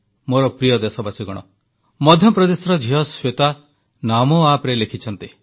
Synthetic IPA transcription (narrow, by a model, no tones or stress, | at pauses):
moɾɔpɾijɔd̪esɔbasiɡɔɽ̃ɔ̰ | mɔd̪ʱjɔpɾɔd̪esɔɾɔd͡ʒʱiɦɔswet̪a | namoapɾelekʰit͡ʃʰɔnt̪i